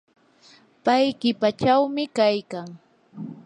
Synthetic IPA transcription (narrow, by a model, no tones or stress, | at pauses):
pajkɪpat͡ʃawmɪkajkaŋ